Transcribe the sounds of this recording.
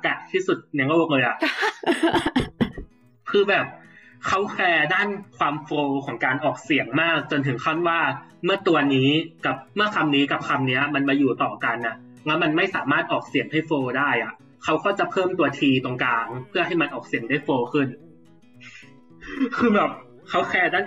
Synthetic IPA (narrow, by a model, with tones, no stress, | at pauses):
ka˨˩t̪ʰiː˥˩su˨˩t̪̚nɛ˧˦ŋɡoː˥˧˩lɤː˧jʔa˨˩ʔ | kʰɯː˧bɛː˨˩p̚ | kʰa˦˥wpʰɛː˧daː˥˩nkʰwaː˧mfoː˧kʰɔː˩˦ŋkaː˧nʔɔː˨˩k̚si˨˩˦ŋmaː˥˩k̚t͡ɕo˧nt̪ʰɯ˩˦ŋkʰaː˥˩t̪̚waː˥˩mɯ˥˩ɐt̪u˧ɐniː˦˥ka˨˩p̚mɯ˥˩ɐkʰa˧mniː˦˥ka˨˩p̚kʰa˧mni˦˥ɐma˧nmaː˧juː˨˩t̪ɔː˨˩ka˧nʔa˧˩ʔ | lɛ˦˥wma˧nma˥˩jsa̰ː˩˦maː˥˩t̪̚ʔɔː˨˩k̚si˨˩˦əŋha˥˩jfoː˧daː˥˩jʔa˨˩ʔ | kʰa˦˥wkɔː˥˩t͡ɕa˨˩pʰɤː˥˩mt̪u˧ɐt̪ʰiː˧t̪o˧ŋkaː˧ŋpʰɯ˥˩ɐɦa˥˩jma˧nʔɔː˨˩k̚si˨˩˦əŋdaː˥˩jfoː˧kʰɯ˥˩n | kʰɯː˧bɛː˨˩p̚ | kʰa˦˥wxʰɛː˧daː˥˩˨